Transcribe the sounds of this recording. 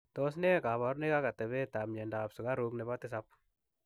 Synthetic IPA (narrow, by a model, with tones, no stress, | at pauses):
tɔs̬nɛ˦ka˨βa˨ɾne˦ka˦ka˨t̪ɛ˨βɛ˦ta˨mɲɛndaː˨psu˨ka˦ɾuknɛ˨βa˦t̪ɪ˦s̬ap̚